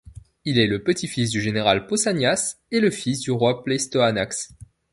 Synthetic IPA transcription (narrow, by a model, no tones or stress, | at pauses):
ilɛləpət̪ʰifis̬d̪yʒeneʁalposanjas | eləfisd̪yʁwaplɛst̪oanaks